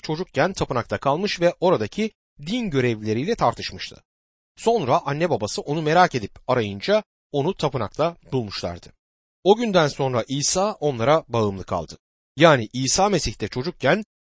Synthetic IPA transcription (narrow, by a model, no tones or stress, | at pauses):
t͡ʃʰo̞d͡ʒuk̚cʰænt̪ʰapɯnak̚t̪akʰalˠmɯʃvɛʔo̞ɾad̪acʰi | d̪inɟø̞ɾɛvlʲe̞ɾijlʲɛt̪ʰaɾt̪ʰɯ̥ʃmɯʃt̪ʰɯ̥̰ | so̞nɾaʔanːɛbabasɯʔo̞nume̞ɾaːce̞d̪ipaɾajɯnd͡ʒa | o̞nut̪ʰapɯna̰k̚t̪ʰabulˠmuʃlˠa̰ɾd̪̥ɯ | o̞ɟynd̪ænso̞nɾaʔiːsaːʔo̞nlˠaɾabaɯmlˠɯkʰa̰lˠd̪ɯ | jaːniʔiːsaːme̞siçt̪ʰɛt͡ʃʰo̞d͡ʒuk̚cʰæn